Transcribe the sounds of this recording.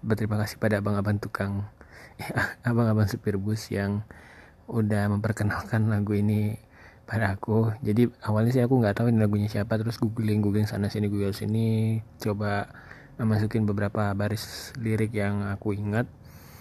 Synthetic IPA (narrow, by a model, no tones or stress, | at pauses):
bət̪əɾimakasɪ̥hpadaːbaŋabaŋt̪ukaŋjaabaŋabaŋsupɪrbʊsjaŋ | udahməmpərkənalkanlaɡuini | padaːkud͡ʒadiawalɲas̬ajakuŋɡat̪aɦuinilaɡuɲasiapat̪ːəɾʊsɡuɡlɪŋɡuɡlɪŋsa̰nasiniɡuɡalsinit͡ʃoba | məmas̬ukɪnbəbəɾapabaɾɪsliɾɪkjaŋakuiŋat̪̚